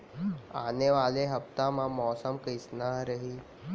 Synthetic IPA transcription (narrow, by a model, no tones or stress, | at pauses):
aːneʋaːleɦɐpt̪amãmɔːsəmkəsnaɦɾɐɦiː